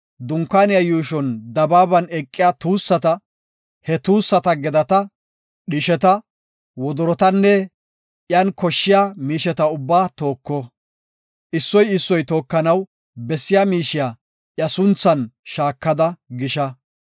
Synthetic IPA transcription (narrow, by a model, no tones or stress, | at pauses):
d̪ʊŋkːaːnɪjɐjuːʃɔnd̪ɐbaːbɐnɛkʼːɪjat̪uːsːɐt̪ɐ | hɛt̪uːsːɐt̪ɐɡɛd̪ɐt̪ɐ | ɗɪʃɛt̪ɐ | wɔd̪ɔɾɔt̪ɐnːɛ | ʔjɐnkɔʃːɪjaːmiːʃɛt̪ɐʊbːaːt̪o̞ːkːɔ | ʔɪsːɔjɪsːɔjt̪o̞ːkːɐnɐw | bɛsːɪjaːmiːʃɪja | ʔjɐsʊnt͡sːɐnʃaːkːɐd̪ɐɡɪʃɐ